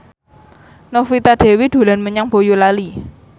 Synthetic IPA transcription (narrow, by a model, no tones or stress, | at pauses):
nɔfit̪ad̥e̤wid̪̥o̤lanməɲaŋb̥ojulali